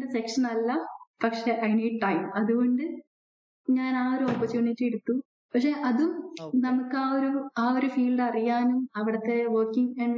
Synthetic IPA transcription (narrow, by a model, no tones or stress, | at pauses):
desekʂɐnɐlːɐpɐkʂeʔɐjniːʈːɐjmɐðuɣo̞ɳɖɨ | ɲaːnaːoɾuoːpːɐt͡ɕuːɳːitːeɽut̪ːu | pɐkʂe̞ʔɐðumnɐmukːɨaːoɾuaːoɾufiːlɖɨɐrijaːnumɐʋiɽɐt̪ːe̞ʋoːkːiŋɐɳ